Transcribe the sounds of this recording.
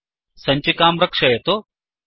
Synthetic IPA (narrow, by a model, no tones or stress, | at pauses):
sɐɲt͡ʃikaːmɾɐkʂɐjɐt̪o